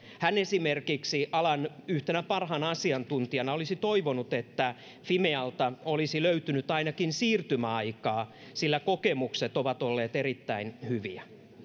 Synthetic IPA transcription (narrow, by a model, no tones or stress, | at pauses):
hænesimerkiksiʔɑlɑnyht̪enæpɑrɦɑnɑsiɑnt̪unt̪iɑnɑolisit̪oiʋonut̪et̪ːæ | fimeɑlt̪ɑolisiløyt̪ynyt̪ɑinɑkinsiːrt̪ymæɑikɑː | silːækokemukset̪oʋɑt̪olːeːt̪eɾit̪ːæinhyʋiæ